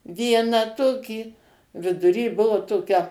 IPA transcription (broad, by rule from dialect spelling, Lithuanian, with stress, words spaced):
ˈʋʲiɛnɑː ˈtoːkʲiː ʋʲɪdʊˈrʲiː ˈbʊʋoː ˈtoːkʲɛ